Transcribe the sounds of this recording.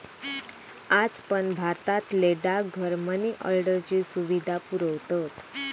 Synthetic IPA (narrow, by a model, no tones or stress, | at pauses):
ad͡zpəɳbʱaɾt̪at̪leɖaɡʱəɾməneʔə̰lɖəɾt͡ɕiːsuʋid̪ʱapuɾəʋt̪ət̪